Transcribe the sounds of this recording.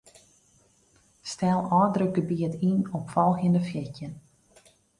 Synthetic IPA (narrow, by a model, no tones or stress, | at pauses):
stɛlˠɔːdrəɡəbiətʰinɔpfɔlˠxəndəfjɛcjən